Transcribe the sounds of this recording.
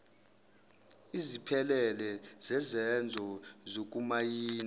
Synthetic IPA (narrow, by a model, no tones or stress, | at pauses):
izipʰɛlɛlɛzɛzɛnd͡zʱɔzok̬ʼumajiːn